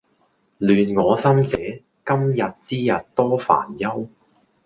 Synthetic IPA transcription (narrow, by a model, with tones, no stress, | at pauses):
lyː˨nŋɔː˨˧sɐ˥mt͡sɛː˨˥ | kɐ˥mjɐ˨t̚t͡siː˥jɐ˨t̚t̪ɔː˥fa̰ː˨˩njɐ˥w